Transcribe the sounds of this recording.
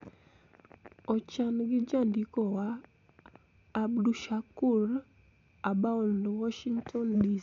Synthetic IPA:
ɔt͡ʃanɡɪd͡ʒandikɔwa | bduʃakuɾ | abaɔndwɔʃiŋtʰɔndi

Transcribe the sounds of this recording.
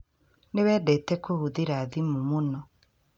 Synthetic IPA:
newɛːdɛtɛkohuðeɾaːðimumonɔ

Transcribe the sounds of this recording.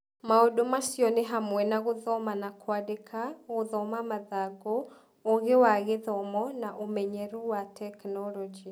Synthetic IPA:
maodomasjɔneɦamwɛnaɣoðɔmanakwadekʰaɣoðɔmamaðaɡo | oɣewaɣeðɔmɔnaʔomɛɲɛɾuwatɛknɔlɔd͡ʒi

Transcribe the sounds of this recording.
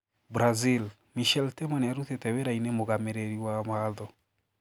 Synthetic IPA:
bɾazil | miʃɛltemaneaɾuθetɛweɾainemoɣameɾeɾiwamaðɔ

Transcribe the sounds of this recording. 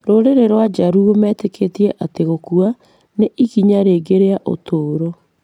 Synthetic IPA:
ɾoɾeɾeɾwad͡ʒaɾuomɛtekʰeːtiɛʔateɣokua | neʔiɣiɲaɾeːɡeɾeaʔo̰toːɾo

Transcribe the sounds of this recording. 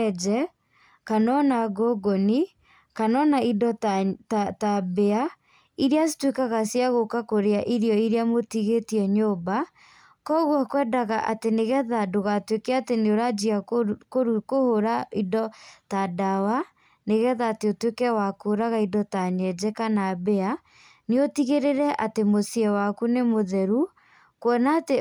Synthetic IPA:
ɛd͡ʒɛ | kanɔnaɡoɡoni | kanɔnaidɔttatabea | iɾeasi̥twekaɣasiaɣokakoɾeaʔiɾiɔiɾeamotiɣetiɛɲoːba | kɔɣwakwɛdaɣaʔateneɣɛðadoɣatwekɛateneoɾad͡ʒiakoɾukohoɾaidɔtadawa | neɣɛðaːteotwekɛwakooɾaɣaidɔtaɲɛd͡ʒɛkanabɛa | neotiɣeɾeɾɛʔatemosiɛwakunemoðɛɾu | kwɔnaːte

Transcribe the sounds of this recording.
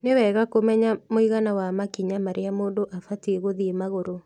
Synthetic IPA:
newɛɣakomɛɲamoiɣanawamakiɲamaɾeamoːndoʔafateɣoðiemaɣoɾo

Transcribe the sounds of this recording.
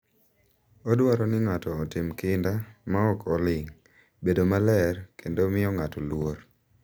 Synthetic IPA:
ɔdwaɾɔnɪŋatɔːtɪmkɪndamaɔkʰɔlɪŋ | bedomalɛrkʰendomɪɔŋatɔlwoɾ

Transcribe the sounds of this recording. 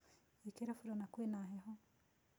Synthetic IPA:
ikeɾafuɾonakwenaɦeɦɔ

